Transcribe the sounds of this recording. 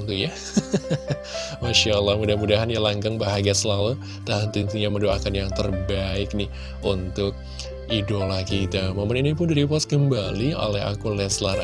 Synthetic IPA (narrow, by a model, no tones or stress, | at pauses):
nt̪uja | maʃaəlːahmudamudaɦanjalaŋɡaŋbaɦaɡasəlalu | t̪aɦant̪int̪ijaməndoa̰kanjaŋt̪ərbaɪk̚nɪh | ʔunt̪ʊk̚ | ʔidolakit̪amamaninip̬ʊndiɾipɔskəmbalio̰lɛɦa̰kulɛslar